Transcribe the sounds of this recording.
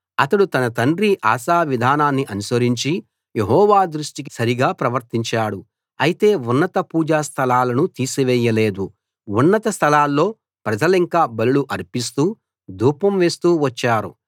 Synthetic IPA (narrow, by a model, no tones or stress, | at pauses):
ɐt̪ɐɽut̪ɐnɐt̪ɐɳɾiʔa̰ːsaːʋid̪ʱaːnaːnːiʔɐnusɐɾiɲt͡ʃi | je̞ɦɔːʋaːd̪ɾuʂʈikisɐɾiɡaːpɾɐʋɐɾt̪iɲt͡ʃaːɽu | ɐjit̪e̞ːunːɐt̪ɐpuːd͡ʒaːst̪ʰɐlaːlɐnut̪iːsiʋɛːjːɐle̞ːd̪u | unːɐt̪ɐst̪ʰɐlaːlːo̞ː | pɾɐd͡ʒɐliŋkaːbɐluluʔɐɾpis̬t̪uː | d̪ʱuːpɐmʋe̞ːst̪uːʋɐt͡ʃːaːɾṵ